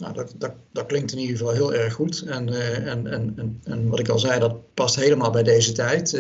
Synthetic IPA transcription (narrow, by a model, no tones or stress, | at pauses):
no̰wdɑtdɑt | d̥ɑt̚klɪŋk̚tɪnidəvɑlˠɦɪːlˠɛɹχːutɛnɛnɛnɛnɛnʋɑtɪkɑlˠzɛjdɑt̚pɑstɦejləmaːlˠbɛjdejzətɛjt